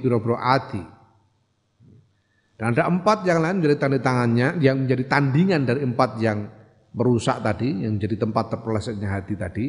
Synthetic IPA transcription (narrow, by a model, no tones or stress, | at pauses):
d̪uɾabɾoʔad̪i | d̥anadaʔəmpat̪̚jaŋlaɪnməɲd͡ʒadit̪aŋandit̪aŋanɲajaŋməɲd͡ʒadit̪andiŋandaɾiəmpat̪̚jaŋ | bəɾusa̰ʔt̪adijaŋməɲd͡ʒadit̪əmpat̪ːərplasɛʔɲaɦat̪it̪ad̥i